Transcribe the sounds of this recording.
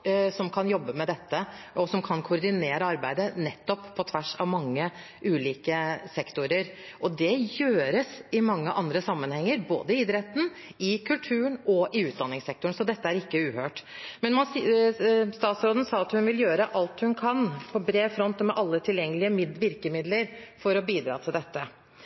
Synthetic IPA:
sɔmkʰɑnjɔbːəmɛd̪ɛt̪ːəʔɔsɔmkʰɑnkʰʊɾd̪ɪneːɾəɑɾbæɪd̪ənɛt̪ːɔppʰːɔt̪ʰʋæʂɑʋmɑŋːə | ʔʉːliːkəsɛkt̪ʊɾəɾʔɔd̪ɛjøːɾəsɪmɑŋːəʔɑnd̪ɾəsɑmːənhɛŋːəɾbo̰ːd̪əɪɪd̪ɾɛt̪n̩ɪkʰʉlt̪ʰʉːəɳɔʔɪʉːt̪̚d̪ɑnːɪŋsɛk̚t̪ʊɳ̩sɔd̪ɛt̪ːəæɾɪkːəʉːhøːʈmɛnmɑn | st̪ɑːt̪sɾoːd̪n̩sɑːɑt̪hʉnʋɪljøːɾəʔɑlt̪hʉnkʰɑnpʰɔbɾeːfɾɔnt̪ɔmɛʔɑlːət̪ʰɪljɛŋːəlɪəmɪd̪ʋɪɾkəmɪd̪ləɾfɔɾɔbiːd̪ɾɑ̰ːt̪ʰɪld̪ɛt̪ːə

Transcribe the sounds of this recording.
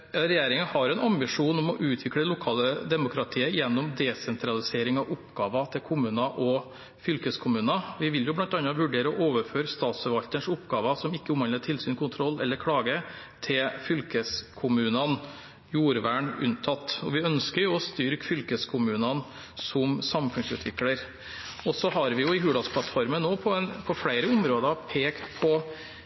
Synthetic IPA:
ɾɛjeːɾɪŋəɑnhɑɾɛnɑmbɪʂuːnɔmɔʔʉːt̪ʰʋɪkɽəlʊkʰɑːləd̪ɛmʊkʰɾɑt̪ʰiːəjɛnːʊmd̪ɛsɛnt̪ʰɾɑlɪseːɾɪŋɑʋʊpɡɑːʋɑt̪ʰɪlkʰʊmʉːnɑʔɔ | fʏlkəskʰʊmʉːnɑʋɪʋɪljʊblɑnt̪ɑnːɑʋʉɖeːɾəɔʔoːʋəɾføːɾst̪ɑːt̪sfɔɾʋɑlt̪ənʂʊpɡɑːʋɑsɔmɪkːəʊmhɑnətʰɪlsyːnkʰʊnt̪ʰɾɔlːɛ̰lːəɾkʰɽɑːɡə | t̪ʰɪlfʏlkəskʰʊmʉːnɑn | juːɾʋæːɳʉ̰nt̪ʰɑt̪ːɔʋɪœnskəɾjʊɔst̪ʏɾkfʏlkəskʰʊmʉːnɑn | sɔmsɑmfʉnsʉ̰ːt̪ʰʋɪkləɾ | ɔsɔɦɑɾʋɪjʊɪɦʉːlɑspʰlɑt̪fɔɾmənːoːpʰɔɛnpʰɔfɽæɪɾəʊmɾoːd̪ɑpʰeːkt̪pʰɔ

